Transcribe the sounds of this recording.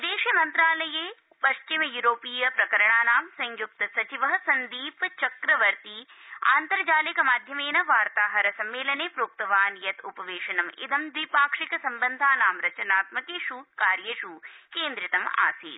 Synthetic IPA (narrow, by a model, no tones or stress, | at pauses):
d̪eːʂimɐnt̪ɾaːlɐjeː | pɐʂt͡ʃimɐjuɾoːpiːjɐpɾɐkɐɾɐɳaːnaːmsɐɲjup̚t̪ɐsɐt͡ʃiʋɐɦɐsɐnd̪iːpɐt͡ʃɐkɾɐʋɐɾt̪ia̰ːnt̪ɐɾɐd͡ʒaːlikɐmaːd̪ʱjɐmeːnɐʋaːɾt̪aːɦɐɾɐsɐmːeːlɐneːpɾoːk̚t̪ɐʋaːnjɐt̪upɐʋeːʂɐnɐmḭd̪ʱɐmd̪ʋipaːkʂikɐsɐmbɐnd̪ʱaːnaːmɾɐt͡ʃɐnaːt̪mɐkeːʂukaːɾjɐʃuːkeːnd̪ɾit̪ɐma̰ːsḭːt̪